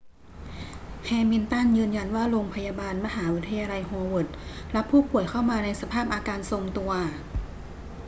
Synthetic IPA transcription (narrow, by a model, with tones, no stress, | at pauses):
kʰɛː˧mi˧nt̪a˥˩njɯː˧nja˧nwaː˥˩ɾoː˧ŋpʰa˧jaː˧baː˧nma˧ɦaː˩˦wi˦˥t̪ʰːa˧jaː˧la˧jɦoː˧wo˨˩t̪̚ | la˦˥pʰːuː˥˩pu˨˩əjkʰa˥˩wmaː˧na˧jsa˧pʰaː˥˩p̚ʔaː˧kaː˧nso˧mt̪u˧ɐ